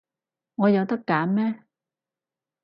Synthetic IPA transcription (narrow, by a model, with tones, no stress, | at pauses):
ŋɔː˨˧jɐ˨˧wt̪ɐ˥kːaː˨˥mmɛː˥